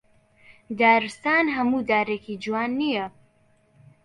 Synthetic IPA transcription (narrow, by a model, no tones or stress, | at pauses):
d̪aːɾɨst̪aːnɦɐmuːd̪aːɾeːkid͡ʒuwaːnːijɐ